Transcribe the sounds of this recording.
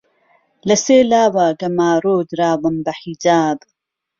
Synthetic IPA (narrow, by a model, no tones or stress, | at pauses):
lɐseːlaːwaːɡɐmaːɾoːd̪ɾaːwɐmbɐħid͡ʒaːb